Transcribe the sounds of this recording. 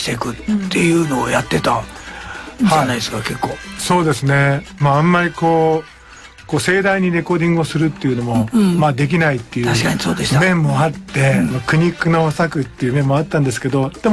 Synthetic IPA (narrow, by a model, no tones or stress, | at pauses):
t̪ekɯ̟t̪t̪ʰːe̞jɯ̟ːno̞ːjat̪ːe̞t̪a | hainaeskake̞kːoːso̞ːd̪e̞sɨne̞maãmːaɾʲiko̞ː | ko̞ːse̞ːd̪aiɲ̟iɾe̞ko̞ːd̪ʲĩŋɡɯo̞sɨɾɯ̟t̪ːe̞jɯ̟no̞mo̞maːd̪e̞k̬ʲinait̪ːe̞jɯ̟aɕkaɲisoːd̪esmẽ̞mːo̞at̪ːe̞anokɯ̟ɲ̟ikːɯ̟no̞sakɯ̟t̪ːe̞jɯmẽ̞mːo̞at̪ːãnd̪e̞sɨ̥ke̞d̪o̞d̪̥emo